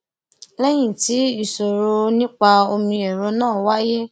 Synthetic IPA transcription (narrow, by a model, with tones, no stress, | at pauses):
lɛ˦j̃ĩ˦˨ti˨˦i˦˨so˨ɾo˧nĩ˦k͡pa˧o˧mĩ˧ɛ˨ɾɔ˨˦nãː˦˨wa˦je˦